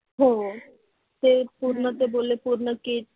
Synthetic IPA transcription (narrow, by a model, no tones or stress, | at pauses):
ɦõ | t̪epuɾnət̪ebolepuɾnəki